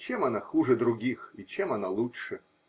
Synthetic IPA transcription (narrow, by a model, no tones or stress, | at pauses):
t͡ɕɛmanaxuʐɨd̪ɾʊɡʲixit͡ɕɛmanalˠutʂɨ